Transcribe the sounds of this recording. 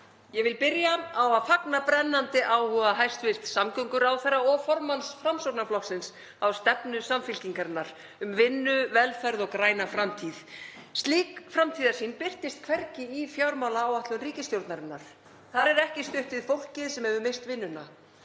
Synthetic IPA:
jɛvɪlpɪɾjaawaðfaknapɾɛnːant̪ɪʔaːwhuaɦajst̪vɪst̪samkʏŋkʏɾawθɛrːaɔɣfɔɾmansfɾamsɔɾt̪naflɔksɪns | awst̪ɛpnʏsamfɪlciŋkaɾɪnːaɾ̥ | ʏmvɪnːʏvɛlfɛɾðɔɣkɾaːjnafɾamt̪ʰiðst̪liːkfɾamt̪ʰiːðaɾ̥siːnpɪr̥t̪ɪst̪̚kʰv̥ɛɾcɪifjawɾmawlaːwaht̪lʏnriːcɪst̪jowɾt̪naɾɪnːaɾ̥ | θaɾɛɾɛhcɪst̪ʏht̪vɪðfowl̥cɪðsɛmɛvʏmejst̪vɪnːʏna̰

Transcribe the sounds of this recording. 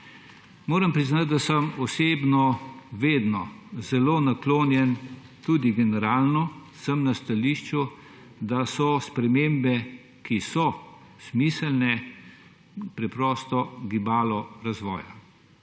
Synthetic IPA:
moːɾɐmpɾiznat̪̚d̪asəmɔseːbnɔʋeːd̪nɔzɛloːnakloːnjɛn | t̪uːd̪iɡɛnɛɾaːlnɔsəmnast̪aliːʃt͡ʃu | d̪asɔspɾɛmeːmbɛ | kisɔ | smiːsɛlnɛ | pɾɛpɾɔːst̪ɔɡibaːlɔɾazʋɔ̰ːja̰

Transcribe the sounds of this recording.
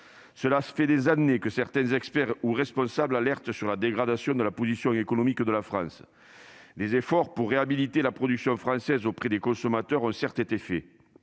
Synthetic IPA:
səlasfɛd̪ezanekəsɛʁt̪ɛ̃zɛkspɛʁuʁɛspɔ̃sablalɛʁt̪əsyʁlad̪eɡʁad̪asjɔ̃d̪əlapozisjɔ̃ekonɔmikd̪əlafχɑ̰̃s | lezefɔʁpuʁːeabilit̪elapχɔd̪yksjɔ̃fχɑ̃sɛzopχed̪ekɔ̃sɔmat̪œʁɔ̃sɛʁt̪et̪efɛ

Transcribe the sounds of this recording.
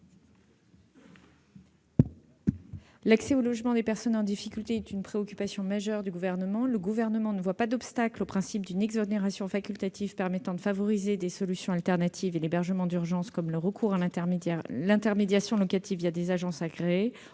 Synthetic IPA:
laksɛolɔʒmɑ̃d̪epɛʁsɔnɑ̃d̪ifikʲylt̪eɛt̪ynpχeɔkʲypasjɔ̃maʒœʁd̪yɡuvɛʁnəmɑ̃ləɡuvɛʁnəmɑ̃nəvwapad̪ɔpst̪aklopχɛ̃sip̚d̪ynɛɡzɔneʁasjɔ̃fakʲylt̪at̪ʰivpɛʁmɛt̪ɑ̃d̪əfavɔʁized̪esɔlysjɔ̃alt̪ɛʁnat̪ʰivelebɛʁʒəmɑ̃d̪yʁʒɑ̃skɔmləʁəkʰuʁa | lɛ̃t̪ɛʁmed̪jasjɔ̃lɔkat̪ivjad̪ezaʒɑ̃saɡʁe

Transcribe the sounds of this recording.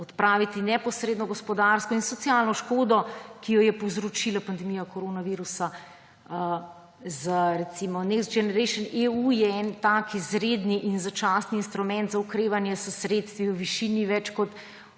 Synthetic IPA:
ɔt̪pɾaːʋit̪inɛpɔsɾeːd̪nɔɡɔspɔd̪aɾskɔinsɔt̪sialnɔʃkoːd̪ɔkijɔjɛpɔwzɾɔt͡ʃilapand̪ɛmijakɔɾonaʋiɾusa | zəɾɛt̪simɔnɛksd͡ʒɛnɛɾɛɪʃəneujɛɛnt̪akizɾeːd̪niʔinzat͡ʃasniːnst̪ɾumɛ̃nt̪zaukɾeːʋanjɛsəsɾeːt̪st̪ʋiwʋiʃiniʋɛt͡ʃkɔt̪

